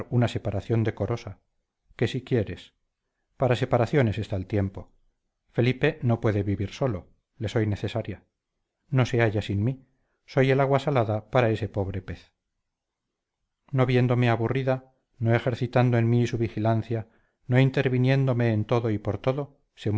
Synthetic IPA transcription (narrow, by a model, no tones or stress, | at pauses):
ɾunase̞paɾaθjo̞nd̪e̞ko̞ɾo̞sa | ke̞sikjeɾes | paɾase̞paɾaθjo̞ne̞sest̪alt̪je̞mpo̞ | fe̞lipe̞no̞pwe̞ðe̞βiβiɾso̞lo̞ | le̞so̞jne̞θe̞saɾja | no̞se̞aʝasinmi | so̞je̞laɣwasalaðapaɾae̞se̞po̞β̞ɾe̞pe̞θ | no̞βje̞nd̪o̞me̞aβuriða | noe̞xe̞ɾθit̪and̪oenmisuβixilan̟θja | no̞int̪e̞ɾβinje̞nd̪o̞meːnt̪o̞ðo̞ipo̞ɾt̪o̞ðo̞ | se̞m